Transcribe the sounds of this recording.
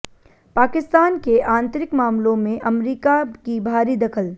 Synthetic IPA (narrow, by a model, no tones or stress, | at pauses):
paːkɪst̪aːnkeʔãːnt̪əɾɪkmaːmlõmẽʔɐmɾiːkakibʱaːɾid̪ɐkʰəl